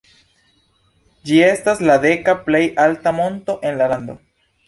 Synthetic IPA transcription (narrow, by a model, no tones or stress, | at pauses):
d͡ʒie̞staslade̞kaple̞jaltamo̞nto̞ʔe̞nlalando̞̰